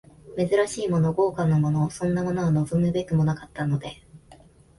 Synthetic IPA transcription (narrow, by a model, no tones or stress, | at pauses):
me̞zɨɾaɕiːmo̞no̞ɡo̞ːkanːo̞mo̞no̞sõ̞nːamo̞no̞ano̞zomɯ̟be̞kɯ̟mo̞nakat̪ːano̞d̪e̞